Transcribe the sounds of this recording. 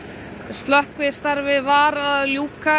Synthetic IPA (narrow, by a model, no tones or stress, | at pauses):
st̪lœhkvɪst̪aɾvɪvaɾaðljuːka